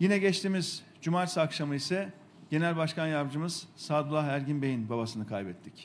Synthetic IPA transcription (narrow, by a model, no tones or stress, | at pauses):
jinɛɟɛt͡ʃt̪ʰiːmiz | d͡ʒumaɾsɯakʃamɯisɛ | ɟ̥e̞nɛlʲbaʃkʰanjavd͡ʒɯmɯz̥saːd̪ulˠːahæɾɟinbe̞jinbabasɯnɯkʰajbɛt̪ʰːic